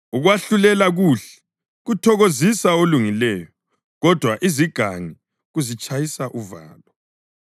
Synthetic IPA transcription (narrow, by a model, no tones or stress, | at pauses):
uɣwaɬulɛlaɣuɬɛ̥ | ɣutʰɔɣozisaoluŋilɛːjɔ | ɣɔd̥ʱwaʔiziɡ̥ʱaŋi | ɣuzit͡ʃʼajisaʔuva̰ːlɔ